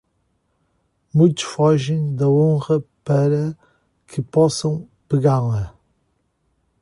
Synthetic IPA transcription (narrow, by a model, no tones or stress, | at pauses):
mũj̃t̪u̥ʃfɔʒẽj̃d̪ɐõʁɐpɐɾɐ | kʰɨpɔsɐ̃w̃ | pɨɣaɾlˠɐ